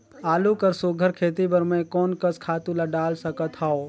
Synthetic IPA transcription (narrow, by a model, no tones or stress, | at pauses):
aːlukəɾsoɡʱəɾkʰeːt̪ibəɾmẽkɔːnkəskʰaːt̪ũlaɖaːlsəkət̪ɦao